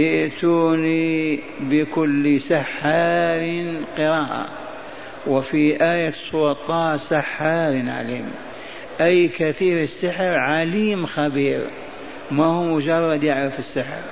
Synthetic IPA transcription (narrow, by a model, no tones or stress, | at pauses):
jɪʔt̪uːni | bɪkʊlːisaħːaːɾɪnqɨɾaːʔa̰ | wɪfiʔaːjasˤʊɑt̪ˤːɑːsaħːaɾnʕa̰liːm | ʔajkaθiːɾɪsːɪħɾʕaliːmxabiːɾ | mahuːmʊd͡ʒɑrˤːɑd̪jɪʕɾɪfɪsːɪħɾ